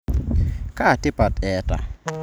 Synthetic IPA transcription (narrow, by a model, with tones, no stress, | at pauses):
ka˦˨tɪ˦pa˨tɛ˨˦ta̰˨